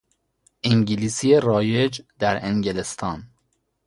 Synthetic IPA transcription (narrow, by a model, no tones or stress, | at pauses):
ʔiŋɟiliːsierɒːjed͡ʒd̪æɾeŋɡelest̪ʰɒːn